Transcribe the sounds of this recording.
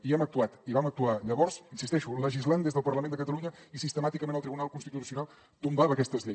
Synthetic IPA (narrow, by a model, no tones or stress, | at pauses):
iɛmək̚t̪uat̪iβamək̚t̪uaʎəβɔrz̥insist̪ɛʃuləʒizland̪ezðəlˠpərləmend̪əkət̪̬əluɲəisist̪əmat̪ikəmenəlˠt̪ɾiβunalˠkunst̪it̪ut̪usiunalˠ | t̪umbaβəkɛst̪əzʎe